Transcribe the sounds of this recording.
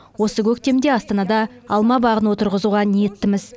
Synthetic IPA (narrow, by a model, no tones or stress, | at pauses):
wo̞səkʲʰɵkt̪e̞md̪e̞ɑst̪ɑnɑd̪ɑː | lˠmɑbɑʁənwo̞t̪əɾʁəzuʁɑnije̞t̪ːɪmɪz